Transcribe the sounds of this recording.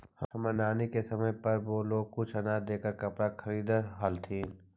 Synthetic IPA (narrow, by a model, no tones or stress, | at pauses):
hɐɦɐmɐnaːnekesɐməjpɐɾʋoːloːɡ̚kʊt͡ʃʰɐnaːd̪eːkəɾkɐpɽakʰɐɾiːd̪ɦalt̪ʰĩː